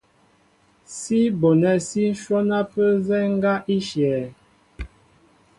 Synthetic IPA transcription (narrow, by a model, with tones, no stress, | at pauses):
si˦bo˨nɛ˦˨si˦ʃwɔ˦na˦pə˦zɛ˦ŋ̩˦ɡa˦ʔi˦ʃjɛː˨